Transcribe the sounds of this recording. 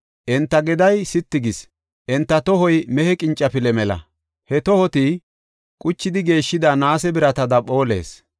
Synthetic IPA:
ʔɛnt̪ːɐɡɛd̪ɐjsɪt̪ːɪɡɪs | ʔɛnt̪ːɐt̪ɔhɔjmɛhɛkʼɪnt͡ʃʼːɐpɪlɛmɛlɐ̰ | hɛt̪ɔhɔt̪ɪ | kʼʊt͡ʃːɪd̪ɪɡe̞ːʃːɪd̪ɐnaːsɛbɪɾɐt̪ɐd̪ɐpo̞ːlḛːs

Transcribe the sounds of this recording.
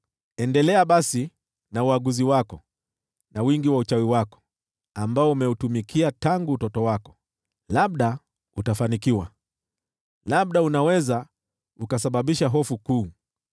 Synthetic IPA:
ɛndɛlɛaɓasi | nauaɠuziwakɔ | nawiŋɡiwaut͡ʃawiwakɔ̥ | ambaɔumɛutumikʰiataŋɡuːtɔtɔwakɔ̥ | laɓ̚ɗa | utafanikiwa̰ | laɓ̚ɗaunawɛza | ukasaɓaɓiʃaɦɔfukuː

